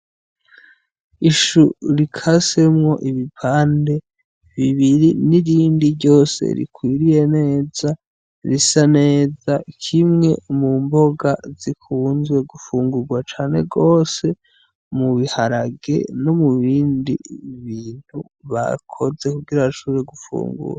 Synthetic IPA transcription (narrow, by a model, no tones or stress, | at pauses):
iʃuɾikʰase̞mŋo̞ʔiβipʰaːnde̞ | βiβiɾiniɾiːndiɾɟo̞ːsḛɾḭkwiːɾije̞ne̞ːza | ɾisane̞ːzakʰimŋe̞̰mumbo̞ɡazikʰuːnzɡwe̞ɡufuːŋɡuɾɡwat͡ʃaːne̞̰ɡo̞ːse̞ | muβihaɾaɡe̞̰no̞muβiːndḭβiːn̥hu | βa̰kʰo̞ze̞kuɡiɾaiʃuːɾeɡufṵːŋɡṵɾa